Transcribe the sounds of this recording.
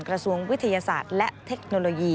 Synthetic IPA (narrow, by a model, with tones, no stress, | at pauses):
nkɾa˧su˧əŋwi˦˥t̪ʰːa˧jaː˧sa̰ː˨˩t̪̚lɛ˦˥ʔt̪ʰːe˦˥k̚no˧loː˧jiː˧